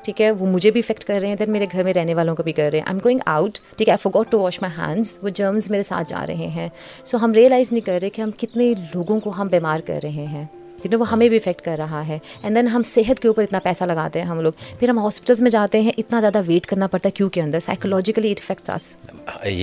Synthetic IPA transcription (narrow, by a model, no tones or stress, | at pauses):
ʈʰiːkɛʋomʊd͡ʒʱebʱiɪfɛk̚ʈkɐɾːəeɦɛ̃d̪ɛnmeːɾeɡʱɐɾmẽɾɛɦneʋaːlõkobʱikɐɾːɐɦɛ̃ʔã̰ɪmɡoːɪ̃ŋɡa̰ʊʈʈʰiːkɛaɪfɔɾɡɔːʈːuʋɔːʃmaɪɦɛ̰̃ːnɖzʋod͡ʒəːmzmeːɾesa̰ːt̪̚ʰd͡ʒa̰ːɾɐ̰ɦḛ̃ɦɛ̃ː | soːɦɐmɾiːəlaːɪznɐɦĩkɐɾːɐɦɛ̃kiɦɐmkɪt̪neloːɡõkoɦɐmbeːmaːɾkɐ̰ɾːɐɦẽɦɛ̃ː | kɪnẽʋoɦɐmẽbʱiɪfɛk̚ʈkɐɾːɐɦaɦɛːɛ̃nd̪ɛnɦɐmseːɦət̪keuːpəɾɪt̪napɛːsalɐɡaːt̪eɦɛ̃ɦɐmloːɡpʰɪɾɦɐmɦɔːspɪʈəlzmẽd͡ʒaːt̪eɦɛ̃ʔɪt̪nazjaːd̪aʋeːʈkɐɾnapɐɾt̪aɦɛkjũːkeɐ̃nd̪əɾsa̰ɪkolɔːd͡ʒɪkəliʈɪfɛk̚ʈsa̰ːs